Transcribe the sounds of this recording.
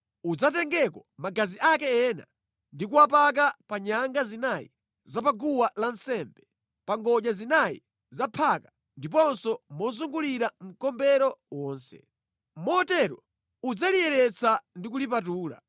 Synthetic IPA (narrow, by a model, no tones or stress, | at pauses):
ud͡zat̬ɛŋɡɛkɔmaɡaziʔakɛɛːna̰ | ndik̬uwap̬ak̬apaɲaŋɡazinajḭ | zapaɡuwalan̩sɛmbɛ | paŋɡɔʄazinaḭ | zapʰaka | ndip̬ɔnsɔmɔzuŋɡuliɾam̩kɔmbɛɾɔwɔːnsɛ̰ | mɔtɛɾɔ | ud͡zalijɛɾɛt͡sandik̬ulip̬at̬uːla̰